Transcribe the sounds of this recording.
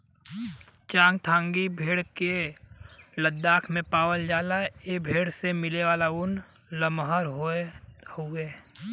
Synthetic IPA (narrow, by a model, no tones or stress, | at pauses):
t͡ʃãːŋɡt̪ʰãːŋɡibʱeːɽke | ləd̪ːaːkʰmẽpaːwəld͡ʒaːlaebʱeːɽsemɪleʋaːlaʊn | ləmɦaɾɦohoeː